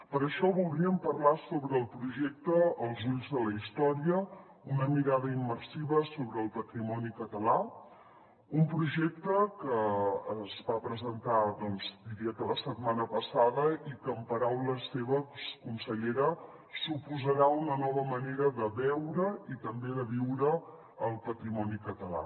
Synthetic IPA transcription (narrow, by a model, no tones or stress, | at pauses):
pəɾəʃɔβulˠd̪ɾiəmpərlasoβɾəːlˠpɾuʒɛk̚t̪əəlˠzuʎzðələist̪ɔɾiə | unəmiɾaðəimːərsiβəsoβɾəːlˠpət̪ɾimɔnikət̪əla | umpɾuʒɛk̚t̪əkəː | zβapɾəzənt̪aðɔnzd̪iɾiəkələsət̪manəpəsaðəikəːmpəɾawləseβəkunsəʎeɾə | supuzəɾaunənɔβəməneɾəðəβɛwɾəit̪əmbeðəβiwɾəː | lˠpət̪ɾimɔnikət̪əla̰